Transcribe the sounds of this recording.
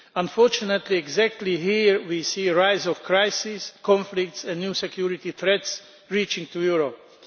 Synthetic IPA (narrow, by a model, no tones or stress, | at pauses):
ãnfɔɹt͡ʃunət̪liɛɡzæk̚t̪ʰliɦiɹwisiːɹaɪzɔfkʰɹaɪsɪskʰɔ̃nflɪk̚tsɛ̃nnjusɛkʰjuɹɪt̪iθɹɛts | ɹiːt͡ʃɪ̃ŋtujuɹɔp